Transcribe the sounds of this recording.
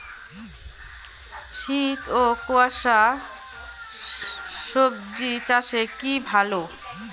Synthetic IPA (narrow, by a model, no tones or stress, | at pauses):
ʃit̪okoaʃa | ʃobd͡ʑit͡ɕaʃekibʱalo